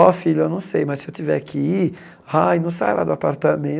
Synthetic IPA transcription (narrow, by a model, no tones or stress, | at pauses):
ɔfiʎʊewnɐ̃w̃sejmɐssɪewt͡ʃ̪ivɛ̰aki | ajnɐ̃w̃sa̰jla̰d̪ʊapaɾt̪amẽ